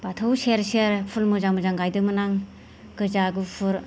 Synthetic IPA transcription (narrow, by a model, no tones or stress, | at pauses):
batʰɯwseɾseɾpʰulmɯzamɯzaŋɡajdɯmɯnaŋ | ɡɯzaɡɯpʰɯɾ